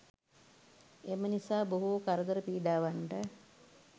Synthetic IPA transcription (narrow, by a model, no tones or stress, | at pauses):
emənisaːboɦukaɾəd̪əɾəpiːɖaːʋaɳʈə